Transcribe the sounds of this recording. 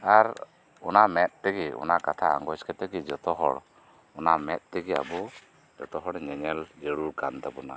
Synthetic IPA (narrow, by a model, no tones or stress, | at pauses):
aɾ | ɔnamɛt̪̚ˀt̪ɛɡiɔ̰nakat̪ʰaa̰ŋɡɔskɛt̪ɛɡid͡ʒɔt̪ɔɦɔ̰ɽ | ɔnamɛt̪̚t̪ɛɡia̰bɔ | d͡ʒɔt̪ɔɦɔɽɲɛɲɛld͡ʒeɽuɾkant̪abɔna̰